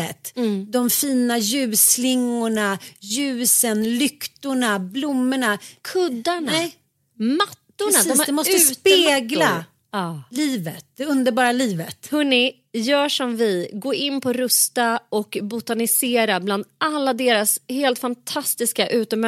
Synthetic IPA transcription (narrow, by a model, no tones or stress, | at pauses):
ɛt̪d̪ɔmfiːnajʉ̟ːslɪŋːʊɳajʉ̟ːsənlʏkt̪ʊɳablʊmːɛɳakʰɵd̪ːaɳaɛ | mat̪ːʊɳad̪ɔmd̪ɛmɔst̪əːspeːɡla | ɑːliːvət̪̚d̪ɛɵnd̪əɾbɑːɾaliːvət̪hɵnːɪ | jœːʂɔmvɪɡoːʔɪnːpʰɔɾɵst̪aɔkbʊt̪anɪseːɾabland̪alːad̪eːɾasheːlt̪fant̪ʰast̪ɪskaʔʉ̟ːt̪ɔm